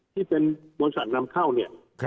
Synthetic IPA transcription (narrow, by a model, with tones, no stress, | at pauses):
t̪ʰiː˥˩pe˧nboː˧nsa̰˨˩t̪̚na˧˥mkʰa˥˩wni˥˩ɐ